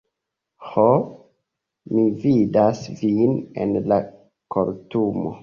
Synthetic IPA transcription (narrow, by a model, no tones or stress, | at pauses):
ho | mividasvinḛnla | koɾtumo̰